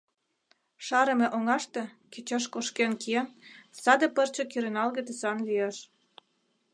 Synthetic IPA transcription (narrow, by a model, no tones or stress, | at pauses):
ʃɑɾə̆mĕʔoŋɑʃt̪ĕket͡ɕɑʃkoʃkenkiensɑd̪ĕpə̆rt͡ɕĕkyɾenɑlɣĕt̪esɑnlieʃ